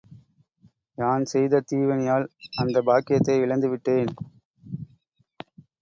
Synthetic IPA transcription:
naːnsɛjðɐt̪iːʋɐnɪjaːlɐnd̪ɐbaːkɪjɐt̪ːɐɪʋɪɭɐnd̪ɯʋɪʈːeːn

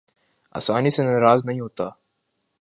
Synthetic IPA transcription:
a̰ːsaːnisenɐɾaːznɐɦĩɦoːt̪aː

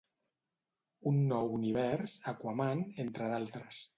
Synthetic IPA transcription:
unːɔwuniβ̞ɛɾsakwamanent̪ɾəðalˠt̪ɾəs

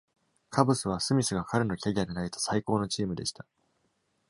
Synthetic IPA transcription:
kʰabɯ̟sɨβ̞asɨmʲisɨɡakʰaɾeno̞kʲaɡʲiad̪e̞nait̪o̞̥saiko̞ːno̞t͡ɕiːmɯ̟d̪e̞ɕi̥t̪a

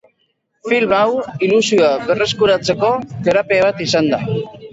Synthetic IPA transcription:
filmawilusioaɡere̞skuɾat͡se̞ko̞t̪e̞ɾapeaβ̞at̪isand̪a

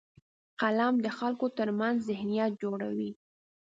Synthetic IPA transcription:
qalamd̪əxalkot̪əɾmanzzɪhnijat̪̚d͡ʒoɽa̰wi

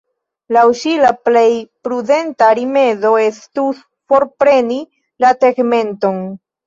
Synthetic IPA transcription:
lawʃilaple̞jpɾude̞ntaɾime̞zo̞e̞stus | fo̞ɾpɾe̞ni | lateɡme̞nto̞n

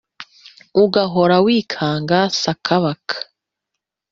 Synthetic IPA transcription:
uɡaɦoɾawiːkʰaːŋɡasakʰaβakʰḁ

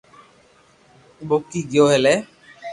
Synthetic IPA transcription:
bokːiɡioɦele

